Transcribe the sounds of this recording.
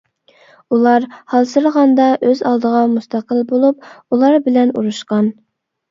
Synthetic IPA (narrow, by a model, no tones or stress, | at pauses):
ulˠɑɾhɑlˠsɨɾəʁɑnd̪ɑʔøzɑlˠd̪əʁɑmust̪ʰɑqəlbolˠup̚ulˠɑɾbɪlɛnṵɾuʃqɑn